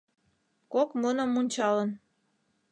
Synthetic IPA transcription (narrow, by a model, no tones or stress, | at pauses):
kokmunə̆munʲt͡ɕɑlən